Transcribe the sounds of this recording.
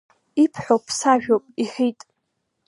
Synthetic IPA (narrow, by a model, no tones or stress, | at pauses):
ipʰħʷopʰsaʒᶣopʼiħitʼ